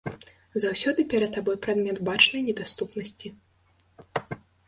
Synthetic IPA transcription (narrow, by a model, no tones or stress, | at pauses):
zawsʲɔd̪ɨpʲɛɾɐt̪̚ːabɔjpɾad̪mʲɛt̪bat͡ʂnɐjnʲɛd̪ast̪upnɐsʲt͡sʲi